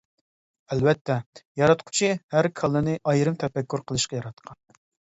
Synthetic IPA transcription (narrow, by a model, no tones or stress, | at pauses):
ɛlbɛt̪ːɛjɑɾɑt̪qʰʊ̥t͡ʃʰihæɾkʰɑlˠːɨnɨʔɑjɾɨmt̪ʰɛpɛkʲʰːuɾqʰəlˠɨʃqɑjɑɾɑt̪qʰɑn